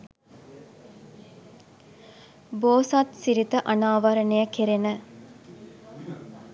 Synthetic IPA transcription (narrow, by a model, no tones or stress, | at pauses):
boːsat̪siɾit̪əʔanaːʋɐɾənejəkeɾenə